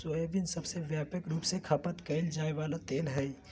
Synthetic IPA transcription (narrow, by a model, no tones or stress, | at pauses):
soebinsəbseʋjaːpəkɾuːpsekʰəpət̪kəɪld͡ʒaːeʋaːlat̪eːlɦəi